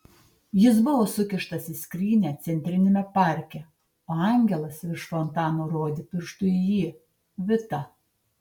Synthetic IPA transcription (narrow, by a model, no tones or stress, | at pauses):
jɪs̬bʊʋoːsʊkʲɪʃt̪ɐsɪsʲkɾʲiːnʲæːt̪sʲɛnʲt̪ʲɾʲɪnʲɪmʲɛpɑˑɾʲkʲɛ | oːɑˑŋʲɡʲɛlˠɐsɪɾʃfɔnt̪ɑːnoːɾoːd̪ʲɪpʲɪɾʃt̪ʊɪjiː | ʋʲɪt̪ɐ